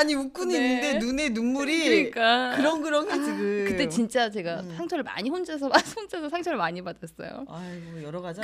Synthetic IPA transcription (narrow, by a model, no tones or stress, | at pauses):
aɲimukk͈uninːɯnde̞nune̞numːuɾiɯɲik͈akɯɾʌnɡɯɾʌŋeiɡɯkɯt͈e̞t͡ɕint͡ɕ͈at͡ɕe̞ɡasʰaŋt͡ɕʰʌɾɯɭma̰ɲiɸond͡ʑas̬ʰʌmaond͡ʑʰas̬ʰʌsʰaŋt͡ɕʰʌɾɯɭmaɲibadʌs͈ʌ̰jo̰aʌjʌɾʌɡad͡ʑ